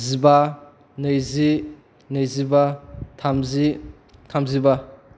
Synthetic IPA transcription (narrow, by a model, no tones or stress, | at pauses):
ziba | nɯjzi | nɯjzibatʰamzi | tʰamziba